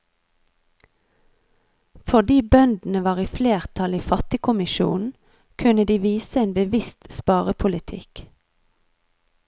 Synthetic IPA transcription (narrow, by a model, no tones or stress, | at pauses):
fɔd̪iːbœnd̪n̩əʋɑːʁiːfleːʁt̪ʰɑliːfɑt̪ɪkʰʊmɪʃṵːn̩ | kʰʉnəd̪iːʋiːsəeːnbəʋɪst̪spɑːʁəpʰʊlɪt̪ʰɪ̰k